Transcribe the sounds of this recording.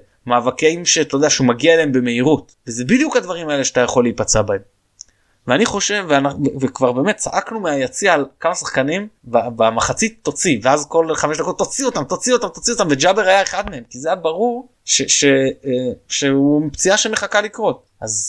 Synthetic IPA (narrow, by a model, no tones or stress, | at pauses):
maːvakeimʃet̪odeaʃeumaɡiaeleembe̞me̞iʁut | vezebid̪jukhad̪vaʁimae̞leʃat̪ajaχo̞lːeipat͡seabaem | veaniχo̞ʃe̞vːeanavevekvaʁbe̞ːme̞t̪̚t͡sa̰ʔaknumeajat͡siaːlkamasaχkanimbabamaχat͡sit̪ːo̞t͡siveazko̞lχame̞ʃd̪ako̞t̪ːo̞t͡sio̞t̪amt̪o̞t͡sio̞t̪amt̪ot͡siot̪amved͡ʒabeʁajaeχad̪me̞e̞mkizejabaʁuʁ | ʃeʃe | ʃeupt͡siaʃeme̞χakalikʁo̞t̚ | ʔaz